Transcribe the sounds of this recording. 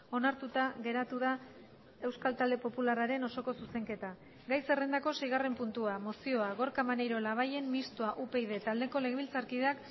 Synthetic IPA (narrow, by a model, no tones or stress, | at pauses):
o̞naɾt̪ut̪aɣe̞ɾat̪uð̞a | e̞wskalt̪ald̪e̞po̞pularaɾe̞no̞so̞ko̞suse̞ŋke̞t̪a | ɡajse̞re̞nd̪ako̞sejɣ̞are̞mpunt̪uamo̞sio̞aɣo̞ɾkamanejɾo̞laβ̞aje̞mmist̪uaʔupe̞jð̞e̞t̪ald̪e̞ko̞le̞ɣeβilt͡saɾkiðeak